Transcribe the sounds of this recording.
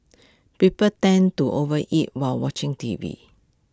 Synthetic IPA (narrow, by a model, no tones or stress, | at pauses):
pipəltɛ̃ntuʔovəʔit̚walwɔt͡ʃɪ̃ŋtivḭ